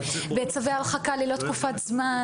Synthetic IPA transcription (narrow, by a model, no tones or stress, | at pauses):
bet͡savealχakalilo̞t̪kufat̪zma